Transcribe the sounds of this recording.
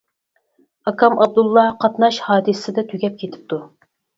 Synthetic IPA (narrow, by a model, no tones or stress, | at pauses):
ɑkʰɑmɑb̚d̪ulˠːɑqʰɑt̪nɑʃhɑːd̪ɨssɪd̪ɛt̪ʰyɡʲɛp̚kʲʰet̪ʰɪ̥p̚t̪ʰu